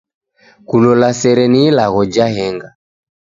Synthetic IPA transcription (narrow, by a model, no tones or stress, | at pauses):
kulɔlasɛɾɛniːlaɣɔd͡ʒaɦɛŋɡa